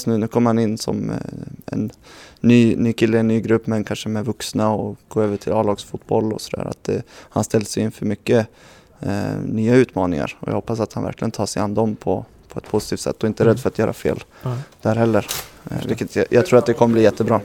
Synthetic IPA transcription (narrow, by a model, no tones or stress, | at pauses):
snʉ̟ːnʉ̟ːkʰɔmːəɾhanɪnːsɔ̰mɛ̰nːyːnyːkʰɪlːəɛnːyːɡɾɵpːmɛɛnkʰanʂəmɛvɵksnaɔɡ̥oːøːvəʈʰɪlɑːlɑːɡsfuːt̪bɔlːɔ̰sɔd̪æ̰ːɾa̰t̪̚d̪ɛ̰hanst̪ɛld̪əsɛjɪnfœɾmʏkːə | nyːaʉ̟ːt̪mɑːnɪ̰ŋa̰ɾɔ̰jɑ̰hɔpːas̬at̪hanvæ̰ɾklɪɡənt̪ʰɑːʂɛjanːd̪ɔmpʰɔ | pʰɔɛt̪̚pʰʊsɪ̥t̪ʰiːft̪sɛ̰t̪ːɔɪnt̪əɾɛd̪ːfœɾat̪jœːɾa̰fḛːld̪̥æɾhɛlːəɾvɪkːət̪ʰjɑːɡt̪ʰɾuːɾat̪d̪ɛkʰɔməbliːjɛt̪ʰːəbɾɑː